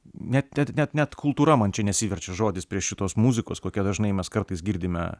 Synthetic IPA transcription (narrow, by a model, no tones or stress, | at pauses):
nʲɛt̪nʲɛt̪nʲɛt̪nʲɛt̪kʰʊlˠt̪uːɾɐmɐnt͡ʃʲɛnʲɛsʲiːʋʲɛɾʲt͡ʃʲɛʒoːd̪ʲɪspʲɾʲiɛʃʃʲɪt̪oːsmuzʲɪkoːskoːkʲɛd̪ɐʒnɐɪmʲɛskɐrt̪ɐɪsɡʲiːɾʲd̪ʲɪmʲɛ̰